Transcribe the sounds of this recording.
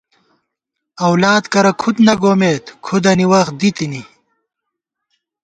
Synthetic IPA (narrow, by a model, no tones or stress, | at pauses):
ɐwlaːd̪kɐɾɐkʰut̪nɐɡoːmeːt̪kʰud̪ɐniwɐxd̪it̪ini